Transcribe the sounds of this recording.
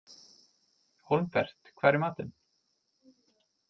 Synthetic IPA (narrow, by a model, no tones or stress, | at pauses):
hɔlmpɛr̥t̪kʰv̥aːɾɪɾmaːt̪ɪn